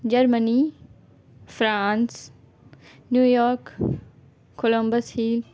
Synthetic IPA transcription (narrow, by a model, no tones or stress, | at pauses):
d͡ʒɐɾməni | fɾãːns | njuːjɔːɾk | kːolõmbəshiːl